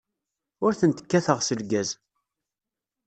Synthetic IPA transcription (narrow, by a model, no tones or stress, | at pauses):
ʊɾθənt̪ə̥kːæθəʁsəlɡæz